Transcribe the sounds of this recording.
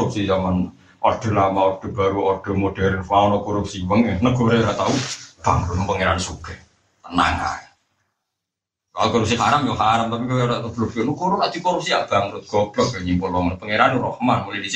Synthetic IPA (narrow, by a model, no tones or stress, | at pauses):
up̚sid͡ʒaman | ɔɖ̥ɔ̤lamaɔɖ̥ɔ̤b̥aɾuɔɖ̥ɔ̤moɖ̥ɛɾənfaɔnɔkɔɾup̚siwəŋanəɡ̥ɔ̤ɾeɾat̪aub̥a̰ŋɾunpəŋeɾanisuɡ̥ɛh | t̪əna̰ŋa̰e | kalukɔɾup̚siɦaɾamjɔɦaɾamt̪apikuɾablubkonukuɾʊpad̪̥i̤kɔɾup̚siaɡ̥aŋɾʊt̪̚ɡ̥ɔb̥lɔɡəɲimpulɔŋənpəŋeɾanurɔhmanmulidis